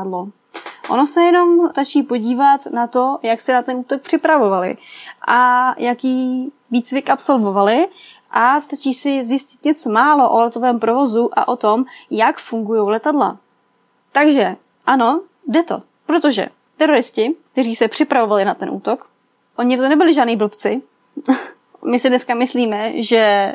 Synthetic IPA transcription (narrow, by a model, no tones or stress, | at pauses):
dlo | ʔono̞sɛjɛno̞mt̪at͡ʃiːpo̞ɟiːvat̪nat̪o̞jaksɛnat̪ɛnuːt̪o̞k̚pr̥ɪpɾavo̞valɪ̰ʔajakiː | viːt͡svɪkʔapso̞lvo̞valɪ | ʔast̪at͡ʃiːsɪzjɪscɪ̥t̪ɲɛt͡so̞maːlo̞ʔolɛt̪o̞vɛːmpɾo̞vo̞zuʔa̰ʔo̞t̪o̞mjakfuŋɡujo̞wlɛt̪adla̰ | t̪aɡʒɛ | ʔano̞ | dɛt̪o̞̰ | pɾot̪o̞ʒɛ̰ | t̪ɛɾo̞ɾɪscɪk̚t̪ɛriːsɛpr̥ɪpɾavo̞valɪnat̪ɛnʔṵːt̪o̞k | ʔo̞ɲɪt̪onɛbɪlɪʒaːdniːbl̩pt͡sɪ | mɪsɪdnɛskamɪsliːmɛʒɛ